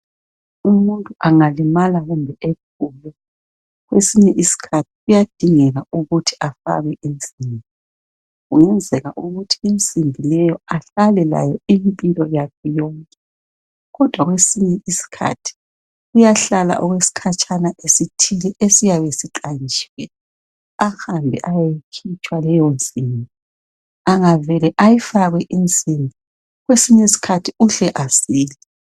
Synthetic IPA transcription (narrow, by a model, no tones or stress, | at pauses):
umuntʼuʔaŋalimalaɣumbʱɛʔek̚ʰulɛ | ɣwesiɲɛʔisi̥kʰatʰi̥ɣujad̥ʱiŋɛɣauɣutʰi̥afa̰ɣɛʔem̩simbʱi | ɣujɛnd͡zʱɛɣaʔuɣutʰiem̩simbʱilɛjɔaɬalɛla̰jɔimpʼilɔjakʰɛjɔŋkʼɛ | ɣɔd̥ʱwaɣwesiɲɛʔisi̥kʰa̰tʰi̥ | ɣujaɬala̰ʔɔɣwesi̥kʰat͡ʃʼʰanaʔesitʰilɛʔesijaβesiǁʼant͡ʃi̥wɛ | axambʱɛʔajajikʰit͡ʃʼwalɛjɔnt͡sʼimbʱi | aŋavɛlɛʔajifaɣwɛʔint͡sʼimbʱi | ɣwesiɲɛisi̥kʰatʰiuɬɛʔasiːli